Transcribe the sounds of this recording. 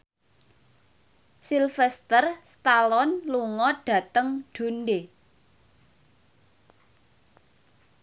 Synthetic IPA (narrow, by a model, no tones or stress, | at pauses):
silfɛst̪ərst̪alɔnluŋɔɖ̥ä̤t̪əŋɖ̥o̤nɖe